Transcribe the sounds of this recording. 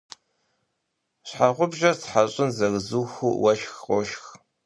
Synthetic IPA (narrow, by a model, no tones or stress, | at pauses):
ɕħaʁʷʊbʒɐrt͡sħaɕʼɪnzɐɣzuːxʷuwʔɐʃxqʷʼɔʃx